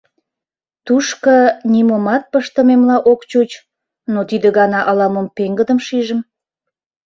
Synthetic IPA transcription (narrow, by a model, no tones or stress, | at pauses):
t̪uʃkənimomɑt̪̚pəʃt̪əmemlɑʔokt͡ɕut͡ɕ | not̪id̪əɣɑnɑʔɑlɑmompeŋɡəd̪əmʃiʒəm